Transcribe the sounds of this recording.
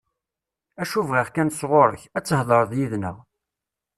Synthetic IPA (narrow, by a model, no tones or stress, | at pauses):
æʃuvʁiʁkænsʁoɾə̰çæt͡sːhðˤəɾˤðjiðnə̰ʁ